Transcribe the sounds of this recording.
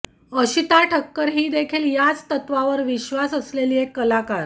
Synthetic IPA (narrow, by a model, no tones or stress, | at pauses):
əɕit̪aʈʰəkːəɾɦiːd̪ekʰiːljat͡st̪ət̪ʋaʋəɾʋiɕʋasəsleliːekːəlakaɾ